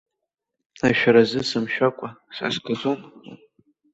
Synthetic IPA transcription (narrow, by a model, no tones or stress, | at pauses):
aʃᶣaɾazɨsɨmʃᶣakʷʼasa̰sɡazoma